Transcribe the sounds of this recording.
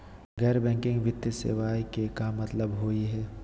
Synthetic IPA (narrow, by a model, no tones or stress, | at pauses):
ɡɛːɾbɛ̃ːŋkɪ̃ŋɡʋɪt̪jəsḛːʋaːikekamɐt̪ləbɦoːiɦɛː